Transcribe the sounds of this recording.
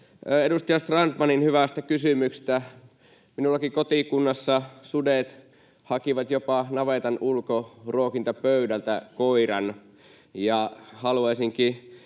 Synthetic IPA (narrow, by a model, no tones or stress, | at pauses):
edust̪ɑjɑst̪rɑnt̪mɑninhyʋæst̪ækysymykse̥s̆t̪æ | minulːɑkikot̪ikunːɑsːɑsudet̪ | hɑkiʋɑt̪jopɑnɑʋet̪ɑnulkorokint̪ɑpøydælt̪ækoirɑn | jɑhɑluɑisiŋki